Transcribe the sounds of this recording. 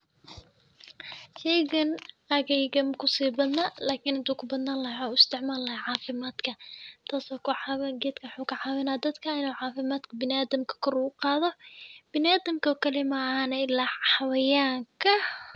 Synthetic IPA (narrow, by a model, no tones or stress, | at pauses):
ʃɛjɣɐn | ɐɣɛjɣɐmkʰʊsiːbɐd̪nɐlaːkʰɪːnɪnt̪ʰuːkʰʊbɐd̪naːnlɐɦaʊɪst̪ʰɪʕmaːlɐhɐʕɑːfɪmaːd̪kʰɐt̪ʰaːsɔkʰʊħɑwɐɡɛːt̪kʰɐwħuːkɐʕɑːwɐnaːd̪ɐd̪kʰɐɪnuːʕɑːfɪmaːd̪kʰɐbɪnaːðɐmkʰɐ̥kʰɔɾuːʊqɑːðɔb̥ɪnaːðɐmkʰɐkʰɐlɪmɐhaːnɐɪlaħɑwɐjaːŋkʰɐ